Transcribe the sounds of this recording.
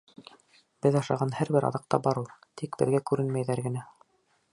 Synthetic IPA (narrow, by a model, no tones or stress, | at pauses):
b̥ɘðɑʃɑʁɑnhæɾbɘɾɑ̰ðɑq̚t̪ɑbɑɾɤlˠt̪ʰikbɘ̰̆ðɡækʉɾɘnmæjðæɾɡɘ̆næ